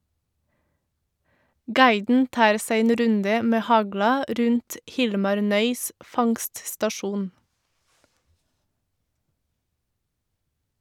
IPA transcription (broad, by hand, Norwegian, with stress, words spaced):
ˈɡɑɪdn̩ ˈtɑːɾ ˈsæɪ ˈeːn ˈɾʉndə ˈmeː ˈhɑɡlɑ ˈɾʉnt ˈhɪlmɑɾ ˈnœʏs ˈfɑŋststɑˌʃuːn